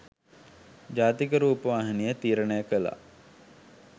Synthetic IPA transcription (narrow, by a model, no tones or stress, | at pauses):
d͡ʒaːt̪ikəɾuːpəʋaːɦɐnijət̪iːɾənəjəkəla̰